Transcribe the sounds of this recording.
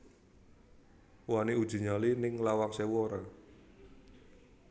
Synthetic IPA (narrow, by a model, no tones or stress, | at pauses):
waneu̥ʒ̥ṳɲalinɪŋlawaŋsɛwɔɾa